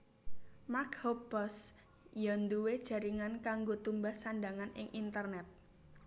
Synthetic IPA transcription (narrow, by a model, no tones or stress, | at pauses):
makhɔbɔs | jɔnd̪uwed̥ʒ̥a̤ɾiŋankaŋɡot̪umbahsaɳɖaŋanɪ̰ŋʔint̪ərnɛt̪̚